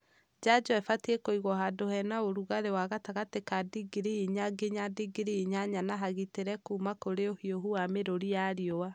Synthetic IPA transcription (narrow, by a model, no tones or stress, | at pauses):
d͡ʒad͡ʒɔɛfatiekoiɣwɔɦadohɛnaoɾuɣaɾewaɣataɣatekadiɡiɾiiɲaɡeɲadiɡiɾiiɲaɲanaɦaɣiteɾɛkumakoɾeohioɦuameɾoɾijaɾiowa